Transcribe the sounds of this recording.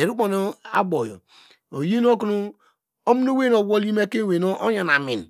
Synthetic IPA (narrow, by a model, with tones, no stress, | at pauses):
e˨ɾu˦k͡po˨no˦a̰˦bo˨jo̰˨ | o˨ji˦n˦o˦knu˦ | o˦mi˦no˦we˦no˨wo˦li˦me˦ke˦˨we˨no˦ʔo˦ja˨na˨mi˨n˨